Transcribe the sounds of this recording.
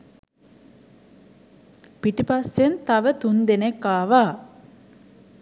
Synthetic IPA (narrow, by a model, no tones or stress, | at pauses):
piʈipasːent̪aʋət̪und̪enekːaːʋaː